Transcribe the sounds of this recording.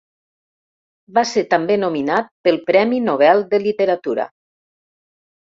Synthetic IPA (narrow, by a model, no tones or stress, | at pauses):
baseɾt̪ambenominat̪̚pəlˠpɾɛminoβ̞ɛlˠd̪əlit̪əɾat̪uɾa̰